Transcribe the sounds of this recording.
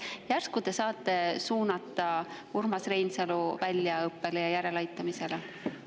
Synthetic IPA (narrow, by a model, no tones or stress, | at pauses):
jærskud̪̥e̞sɑːt̪ːˑe̞suːnɑt̪ːˑɑurmɑsre̞jnseluvælʲːjɑɤpːe̞lejɑjæɾe̞lɑjt̪ːˑɑmise̞le